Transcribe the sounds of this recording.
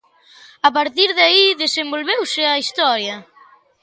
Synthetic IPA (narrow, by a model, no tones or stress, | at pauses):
apaɾt̪iɾðaiðesembolβewsɪɐist̪ɔɾjɐ